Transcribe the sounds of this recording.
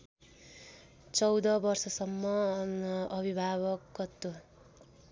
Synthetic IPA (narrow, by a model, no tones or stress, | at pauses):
t͡sʌwd̪ʌbʌrsʌsʌmːʌ | ʌbʱibʱaβʌkːʌt̪ːo